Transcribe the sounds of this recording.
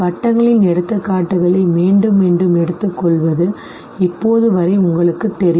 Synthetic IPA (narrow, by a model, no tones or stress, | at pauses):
pɐʈːɐŋɡɐɭɪnɛɽɯt̪ːɐkːaːʈːɯɣɐɭɐɪmiːɳɖɯmɛɳɖɯmɛɽɯt̪ːɯkːɔɭʋɐðɯ | ɪpːoːðɯʋɐɾɐɪʊŋɡɐɭɯkːɯt̪ːɛɾɪ